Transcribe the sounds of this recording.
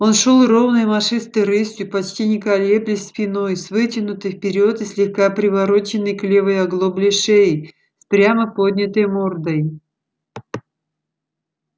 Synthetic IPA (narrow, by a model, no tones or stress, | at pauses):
o̞nʂolˠrovnɨjmɐʂɨst̪ɨjɾɨsʲt̪ʲjʊpɐt͡ɕtʲinʲɪkɐlʲeplʲɪsʲpʲɪno̞jsvɨtʲɪnʊt̪ɨjfpʲɪɾʲo̞t̪ɨsʲlʲɪxkapɾʲɪvɐɾot͡ɕɪnːɨjklʲevəjɐɡlˠoblʲɪʂeɪ | spɾʲaməpo̞d̪ʲnʲɪt̪əjmord̪əj